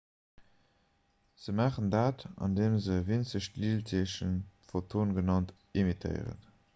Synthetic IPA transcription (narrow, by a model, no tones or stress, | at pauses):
z̥əmaːχəndaːtɑ̰ndeːmzəvint͡səɕtliːltʰiʃənfotʰoːnɡənɑnt | imitʰə̰ɪʁə̰n